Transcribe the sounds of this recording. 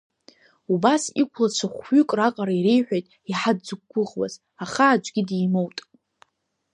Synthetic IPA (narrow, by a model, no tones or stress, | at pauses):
ubasikʷʰlat͡ʃʷʰaχʷɥʏkʼraqʼaɾaiɾejħʷᶣajtʼ | iħadd͡zɨɡ̚ɡʷːʊʁwa̰z | aχaːd͡ʒʷʼɡʲɪdijmowtʼ